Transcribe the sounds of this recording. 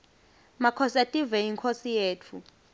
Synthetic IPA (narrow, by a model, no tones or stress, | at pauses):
makʰɔsatʼivɛjiŋkʰosijeːtʰu